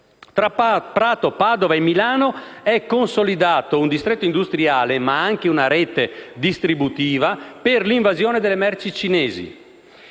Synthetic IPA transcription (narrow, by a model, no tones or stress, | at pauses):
t̪ɾapɾaːt̪opaːd̪ovaemːilaːnoɛkːonsolid̪aːt̪ound̪ist̪ɾet̪ːoind̪ust̪ɾiaːlemaaŋk̟eunaɾɛːt̪ed̪ist̪ɾibut̪iːvaperliɱvazjoːned̪elːemɛrt͡ʃit͡ʃinɛːzḭ